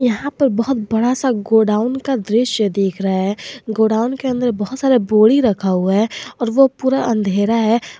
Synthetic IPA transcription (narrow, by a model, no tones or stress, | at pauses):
jɐɦãpɐɾbɐɦʊt̪̚bɐɽasaɡoːɖaːʊnkad̪ɾɪʃjəd̪eːkʰɾaaɦɛːɡoːɖaːʊnkeə̃nd̪əɾbɐɦʊt̪saːɾeboːɽiɾɐkʰauɦɛːɔːɾʋopuːɾaʔə̃nd̪ʱeːɾaɦɛ